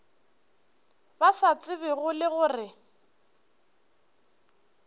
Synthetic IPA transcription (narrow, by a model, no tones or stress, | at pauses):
basat͡sʼɪbɪɣʊlɪɣʊːrɪ